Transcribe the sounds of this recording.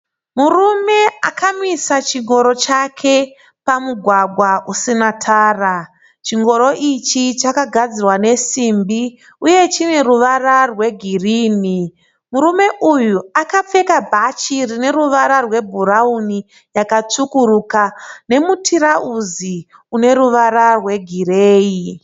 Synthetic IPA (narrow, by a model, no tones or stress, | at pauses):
murume̞akamisat͡ʃiŋɡo̞ɾo̞t͡ʃakʰe̞ | pamuɡʱwaɡʱwaʔusinatʰaːra | t͡ʃiŋɡo̞ɾo̞ʔit͡ʃit͡ʃakaɡʱad͡zirwane̞simbi | uje̞t͡ʃine̞ruʋararwe̞ɡʱiriːni | muɾume̞ʔujuakap͡fe̞kabʱat͡ʃirine̞ɾuʋaɾarwe̞bʱuɾauni | jakat͡ʂukuɾukane̞mutʰiɾauzi | une̞ɾuʋaɾarwe̞ɡʱireːi